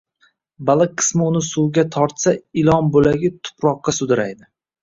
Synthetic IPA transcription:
balˠɨk̚qʰɨ̥smɪʊnɪsʊwɡʲat̪ʰɒɾt̪saɪlˠɒnbolaɡʲɪt̪ʰʊ̥pɾɒqːɑsʊd̪ɪɾajd̪ɪ

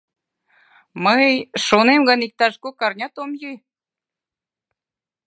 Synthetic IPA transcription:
məjʃonemɡɑnik̚t̪ɑʃkokɑrnʲɑt̪omjij

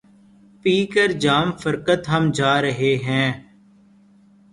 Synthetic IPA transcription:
piːkəɾd͡ʒaːmfəɾkət̪ɦəmd͡ʒaːɾəɦeːɦɛ̃ː

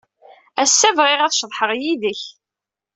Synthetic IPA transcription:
æsːævʁɪʁæθʃðˤħəʁjiðəç

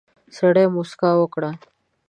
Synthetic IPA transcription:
səɽemuskawəkɽa

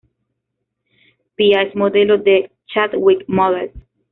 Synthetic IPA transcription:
piaesmod̪elod̪e | t͡ʃat̪wikmɔðels

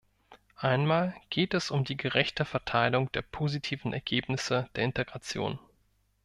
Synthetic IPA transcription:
ʔaɪnmaːlɡ̥eːtɛsʊmdiːɡəʁɛçtəfɛɐtʰaɪlʊŋd̥eːɐpʰoːzitʰiːvn̩ɛ̰ɐɡ̥eːpnɪsəd̥eːɐɪnteɡʁat͡sjo̰ːn

